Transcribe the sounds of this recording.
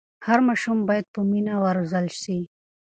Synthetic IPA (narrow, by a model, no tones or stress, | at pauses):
haɾmaʃumbajad̪̚pəminawaɾuzalʃi